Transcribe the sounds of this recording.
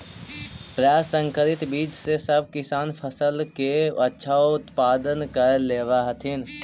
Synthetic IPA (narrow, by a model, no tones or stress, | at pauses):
pɾjaːsːə̃ŋkəɾɪt̪biːd͡ʒsesɐb̚kɪsaːnpʰəsəlkeɐtːʃʰaʊt̪paːd̪ənkɐɾleːʋaɦət̪ʰɪn